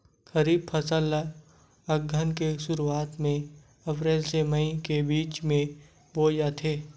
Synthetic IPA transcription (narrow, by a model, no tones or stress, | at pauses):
xəɾiːb̚pʰəsəla | əɡʱənkeʃʊɾuaːt̪mẽ | ɐpɾeːlseməikebiːt͡ʃmẽ | boːjaːt̪ʰeː